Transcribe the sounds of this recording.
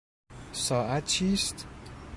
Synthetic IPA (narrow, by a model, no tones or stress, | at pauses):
sɒːʔæt̪t͡ʃʰiːst̪